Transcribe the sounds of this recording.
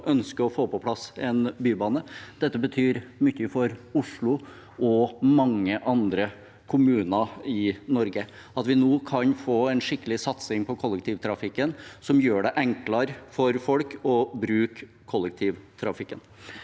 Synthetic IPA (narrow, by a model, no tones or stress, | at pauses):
ʔœnskəɔfoːpɔpʰlɑsɛnbyːbɑːnəd̪̥ɛt̪ːəbət̪ʰyːɾmʏçːəfɔɾʊʂɭʊ | ʔɔmɑŋːəʔɑnd̪ɾə | kʰʊmʉːnəɪnɔɾɡə | ɑt̪ʋɪnoːkʰɑnfoːɛnʂɪkːəlɪsɑt̪sɪŋpʰɔkʰɔlːək̚t̪ʰiːʋt̪ʰɾɑfɪkːənsɔmjøːɖɛʔɛŋklɑɾfɔɾfɔlkɔbɾʉːkʰː | ɔlːək̚t̪ʰiːʋt̪ʰɾɑfɪkːən